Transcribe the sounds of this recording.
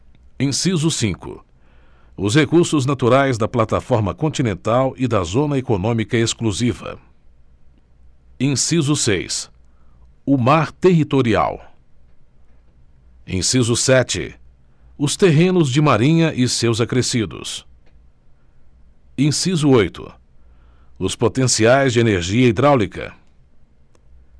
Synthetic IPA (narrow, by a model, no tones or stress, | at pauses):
ẽsizʊsĩŋkʊ̰ | ʊs̬hekuɾsʊznat̪uɾajzd̪ɐplat̪afɔɾmɐkõnt͡ʃinẽnt̪awʔɪd̪ɐzõnɐekonõmikɐeskluzivɐ̰ | ẽsizʊsḛjs | ʊmaɾt̪eɦit̪oɾia̰w | ḛ̃sizʊsɛt͡ʃɪ̰ | ʊst̪eɦẽnʊzd͡ʒɪmaɾĩɲɐʔɪsewzɐkɾesid̪ʊ̰s | ẽsizʊojt̪ʊ̰ | ʊspot̪ẽsiajzd͡ʒɪeneɾʒiɐid̪ɾawlikɐ̰